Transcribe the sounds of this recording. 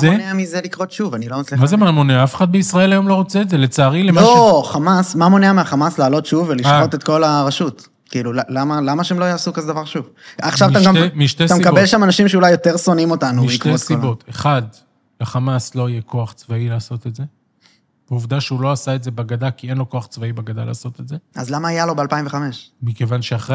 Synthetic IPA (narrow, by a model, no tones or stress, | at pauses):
zeneamizelikʁotʃuvanilomat͡slimazemamo̞neafeχad̪̚beisʁae̞lajo̞mlo̞ʁot͡seːtzele̞t͡saːʁilemaoʃχamasmamoneameaχamaslaːlo̞t̪ʃuveliʃao̞t̪e̞tko̞laʁaʃut | kiːlulalamalamaʃeemlojaːsukazed̪avaʁʃuv | aχʃavatamɡammiʃt̪etamekabelʃamanaʃimʃeulajːo̞t̪e̞ʁso̞nimo̞tanuʃitkʁeoskiobot̪eχad̪ | leχamaslo̞ijekʰo̞aχt͡svailaːso̞t̪etze | b̥euvd̪aʃeulo̞asaetzebaɡadakienlo̞ko̞aχt͡svaibaɡad̪ala̰ːso̞t̪etzeʔa̰zlamaːjalo̞bealpaimveχame̞ʃmikevanʃeaχe